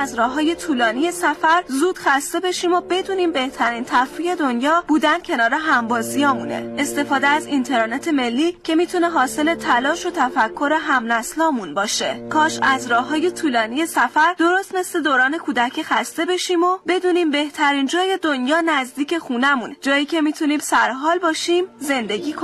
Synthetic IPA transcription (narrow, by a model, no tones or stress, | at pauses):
zɾɒːɦːɒːje̞t̪ʰuːlɒːnije̞sæfæɾzuːd̪̥xæst̪e̞be̞ʃiːmo̞be̞d̪uːniːmbe̞ht̪ʰæɾiːnt̪ʰæɾfije̞d̪o̞njɒːb̥uːd̪ænd̪̥cʰe̞nɒːɾe̞ɦæmbɒːziɒːmunḛest̪e̞fɒːd̪eæzint̪ʰe̞ɾːnet̪ʰe̞me̞lːiːcʰe̞miːt̪ʰune̞ɦɒːse̞le̞t̪ʰælɒːʃo̞t̪ʰæfækʰːo̞ɾe̞ɦæmnæslɒːmunbɒːʃe̞kʰɒːʃæzɾɒːhɦːɒːje̞t̪ʰuːlɒːnije̞sæfæɾd̪o̞ɾost̪nest̪ed̪oːɾɒːne̞kʰuːd̪æcʰixæst̪e̞be̞ʃimobe̞d̪uːniːmbe̞ht̪ʰæɾiːnd͡ʒɒːje̞d̪onjɒːnæzd̪iːcʰe̞xunæmund͡ʒɒːjiːcʰe̞miːt̪ʰuniːmsæɾɦɒːlbɒːʃimze̞nd̪e̞ɟiːkʰo